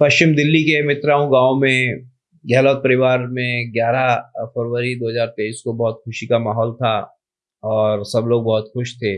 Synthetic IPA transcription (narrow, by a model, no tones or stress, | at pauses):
pɐʃt͡ʃɪmd̪ɪlːikemɪt̪ɾaːũɡãːʋmẽ | ɡɛːlɔːt̪̚pɐɾɪʋaːɾmẽɡjaːɾafɐɾʋəɾid̪oːɦəzaːɾt̪eːiskobɔːt̪xʊʃikamaːɦɔːlt̪ʰa | ɔːɾsɐbloːɡ̚bɔɦʊt̪xʊʃt̪ʰeː